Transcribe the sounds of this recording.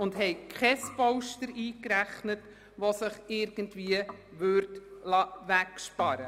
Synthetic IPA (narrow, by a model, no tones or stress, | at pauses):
ʊndhɛɪkʰχɛspɔʊʃtəɾiːkɾæχnət | ʋosɪχɪɾɡ̥əntviəʋøːɾtlɑːʋækʃpɑɾə